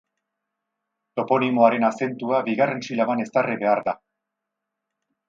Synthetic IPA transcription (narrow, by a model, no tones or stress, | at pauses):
t̪o̞po̞nimo̞aɾe̞nase̞nt̪uaβiɣare̞nsilaβane̞st̪ariβe̞aɾða